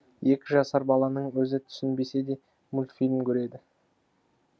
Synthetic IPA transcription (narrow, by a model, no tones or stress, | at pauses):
je̞kʲɪʒɑsɑɾbɑlˠɑnəɴwɵzɪt̪ʰʏ̥sɪnbe̞se̞d̪e̞ | mʊlʲfijlʲmkʲʰɵɾe̞d̪ɪ